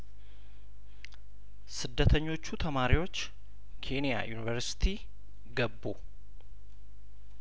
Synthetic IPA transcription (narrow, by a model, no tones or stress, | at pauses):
sɨd̪ːət̪ʰəɲːo̞t͡ʃːut̪ʰəmaɾiwo̞t͡ʃː | kʰe̞nija̰junivəɾsi̥t̪ʰi | ɡəbːo̰